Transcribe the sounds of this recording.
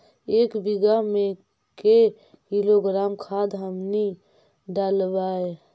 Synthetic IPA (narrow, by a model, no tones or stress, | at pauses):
eːkbiɡamẽ | ke | kiloɡɾaːmkʰad̪ɦəmni | ɖalbae